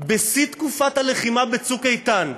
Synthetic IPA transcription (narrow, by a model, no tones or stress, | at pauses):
besit̪kufat̪haleχimabet͡sukejt̪an